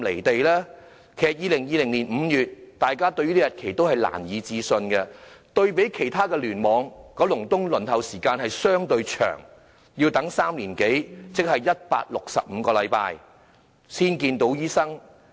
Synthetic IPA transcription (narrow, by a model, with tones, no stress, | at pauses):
le˨˩jt̪e˨jlɛː˥ | kʰɛː˨k̚jiː˨˧lɪ˨˩ŋjiː˨˧lɪ˨˩ŋliː˨˩nm̩ː˨˧jyː˨t̚t̪aː˨jkaː˥t̪ɵ˧ɥyː˥ni˥jɐ˨t̚kʰe˨˩jt̪o˥whɐ˨jla̰ː˨˩njiː˨˧t͡siː˧sɵ˧nɡɛ˧t̪ɵ˧ɥpe˨˥jkʰe˨˩jt̪ʰaː˥kɛː˧lyː˨˩nmɔː˨˧ŋkɔː˨˧˥lʊ˨˩ŋt̪ʊ˥ŋlɵ˨˩nt̪ɐ˨˩wsiː˨˩kaː˧nhɐ˨jsœː˥ŋt̪ɵ˧ɥt͡ʃʰœ̰ː˨˩ŋ | jiː˧wt̪ɐ˨˥ŋsaː˥mliː˨˩nke˨˥jt͡sɪ˥k̚hɐ˨jjɐ˥t̚pa̰ː˧t̚lʊ˨k̚sɐ̰˨p̚m̩˨˧kɔː˧lɐ˨˥jpa̰ː˧j | siː˥nkiː˧nt̪o˨˥wjiː˥sɐ˥ŋ